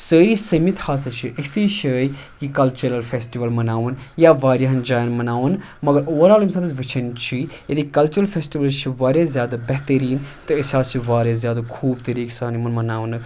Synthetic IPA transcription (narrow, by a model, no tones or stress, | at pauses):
səːɾiːsɐmit̪haːsɐt͡ʃʰiʔeksiːʃʰəːj | kikɐlt͡ʃuɾɐlfʰeːsʈiʋɐlmɐnaːʋunjaːʋaːɾjaɦɐnd͡ʒaːjnmɐnaːʋun | mɐɡɐɾoːɾaːlumsaːd̪ɐʋit͡ʃʰɐnt͡ʃʰijed̪ikɐlt͡ʃuɾɐlfʰeːsʈiʋɐlt͡ʃʰiʋaːɾʲjaːzjaːd̪abɛɦt̪əɾiːnt̪ɨisaːst͡ʃʰiʋaːɾjaːzjaːd̪akʰuːbt̪ɐɾiːksaːnimɐnmɐnaːʋn